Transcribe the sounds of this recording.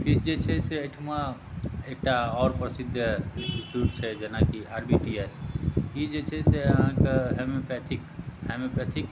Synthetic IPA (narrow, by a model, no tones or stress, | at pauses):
pʰiɾd͡ʒet͡ʃʰɛseəʈʰma | ek̚ʈaɔːɾpɾəsid̪ʱːĩʈiʈjuʈt͡ʃʰɛd͡ʒenakiaɾbiʈieskid͡ʒet͡ʃʰɛseɦãkeɦemepɛt̪ʰikhemepɛt̪ʰik